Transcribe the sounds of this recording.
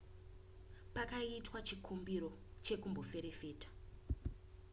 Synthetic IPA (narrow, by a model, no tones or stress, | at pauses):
pakaiitwat͡ʃikʰumbiɾo̞t͡ʃe̞kumbo̞fe̞ɾefe̞ːtḁ